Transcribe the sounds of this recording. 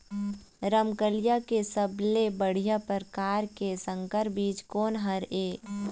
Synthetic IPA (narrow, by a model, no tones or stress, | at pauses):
ɾəmkəlijakesəblebəɽ̤ijapəɾkaːɾkesə̃ŋkəɾbiːt͡ʃkoːnɦəɾeː